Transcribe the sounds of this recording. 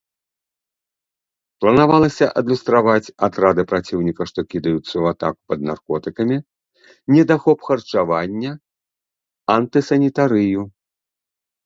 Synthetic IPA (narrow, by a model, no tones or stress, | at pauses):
plˠɐnavalˠɐsʲɐʔɐd̪lʲust̪ɾavat͡sʲat̪ɾad̪ɨpɾat͡sʲiwnʲikɐʂt̪ɔkʲid̪ɐjut̪sːɐuat̪a̰ku̥pɐd̪̚narkɔt̪ɨkɐmʲi | nʲɛd̪axɔpxɐrt͡ʂavanʲːɐ | ant̪ɨsɐnʲit̪aɾɨju